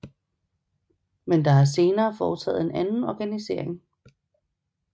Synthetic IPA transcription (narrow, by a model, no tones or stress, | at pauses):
mend̥ɑ̈ɦæse̝ːnɐːfɒːt͡sʰɛ̰ːð̩ˠe̝nænn̩ɒɡ̥ænise̝ɐ̰eŋ